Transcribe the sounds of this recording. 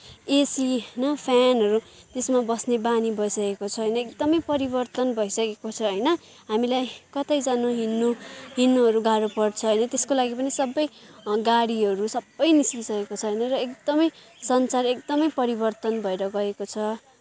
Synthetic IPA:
esiɦʌjnʌpʰanɦʌɾut̪esmabʌsnebanibʱʌisʌkekot͡sʰʌɦʌjnʌekd̪ʌmʌjpʌɾibʌrt̪ʌnbʱʌisʌkekot͡sʰʌɦʌjnʌ | ɦamilajkʌt̪ajd͡zanoɦinːoɦinːoɦʌɾuɡaɽopʌrt͡sʰʌɦːjnʌt̪eskolaɡipʌnisʌbːʌjɡaɽiɦʌɾusʌbːʌjniskisʌkekot͡sʰʌɦːjnʌrʌekd̪ʌmʌj | sʌnt͡sarek̚d̪ʌmʌjpʌɾibʌrt̪ʌnbʱʌeɾʌɡʌekot͡sʰʌ

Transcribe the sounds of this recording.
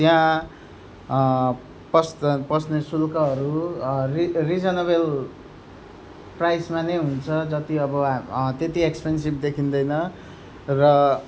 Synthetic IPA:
tjã | pʌspʌsnesulkʌɦʌɾuririd͡zʌnʌβel | prajsmanʌjɦunt͡sʰʌd͡zʌt̪iʌbʌt̪et̪iekspens̬ibd̪ekʰind̪ʌjnʌ | rʌ

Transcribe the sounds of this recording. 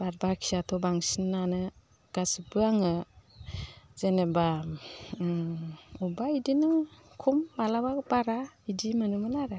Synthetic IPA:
b̥aɾbakʰijatʰɔbaŋsinːanɯ | ɡ̥asɯbɯaŋɯ | z̥eneba | ubaidinɯkʰumːalababaɾaidimanɯmɯnaɾɯ

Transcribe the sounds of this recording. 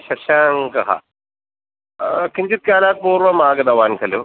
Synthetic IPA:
ʃɐʃaːŋkɐɦɐ̰ | kʰiɲd͡ʑit̪̚kaːlaːk̪̚puːɾʋɐmaːɡɐd̪ɐʋaːnkʰɐlu

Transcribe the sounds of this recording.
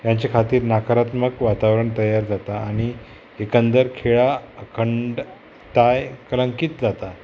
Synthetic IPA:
jaɲt͡ɕekʰat̪iːɾnakəɾat̪məkʋat̪aʋɾəɳt̪əjaɾd͡zat̪aːɽ̃i | ekənd̪əɾkʰeɭaəkʰəɳɖ | t̪ajkələ̃ŋkiːt̪d͡zat̪a

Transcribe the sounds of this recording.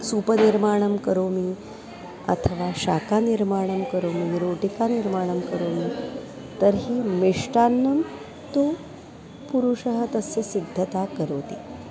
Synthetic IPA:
supəniɾmaːɳ̃əmkəɾoːmiː | ə̰t̪ʰəʋaʃakaniɾmaːɽ̃əmkəɾoːmiɾoʈikaniɾmaːɽ̃əmkəɾoːmiː | t̪əɾɦiːmiʂʈanːəm | t̪o | puɾuʂəɦət̪əsjɐsid̪ʱːət̪akəɾoːt̪iː

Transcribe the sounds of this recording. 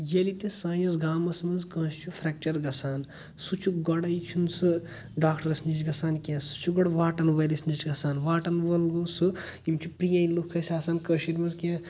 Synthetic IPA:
jelit̪esãːd͡ʒɐzɡaːmɐsmɐzkɐ̃ːst͡ʃʰufʰɾɛːk̚t͡ʃɐɾɡɐsaːn | sut͡ʃʰuɡɐɽɐjt͡ʃʰunsɨ | ɖaːkʈɐɾɐsnit͡ʃɡɐsaːnkʲẽːsu̥t͡ʃʰuɡɐɽʋaːʈɐnʋɐlisnit͡ʃɡɐsaːnʋaːʈɐnʋɐlɡusɨimt͡ʃʰupɾijɐ̃ːilukʰːɐsʲaːsaːnkɐːʃiɾʲmɐzkʲãː

